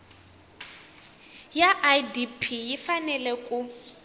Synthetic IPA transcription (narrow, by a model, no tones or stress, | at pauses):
jaʔadipʰijifanɛlɛkʼu